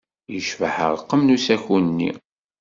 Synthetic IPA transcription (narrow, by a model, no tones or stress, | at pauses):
jəʃvəħə̰ɾˤəqːəmnusæçunnːḭ